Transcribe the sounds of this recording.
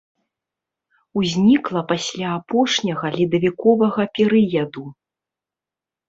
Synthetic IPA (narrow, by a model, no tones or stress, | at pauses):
uzʲnʲiklˠɐpasʲlʲaːpɔʂnʲɐɣɐlʲid̪ɐvʲikɔvɐɣɐpʲɛɾɨjɐd̪u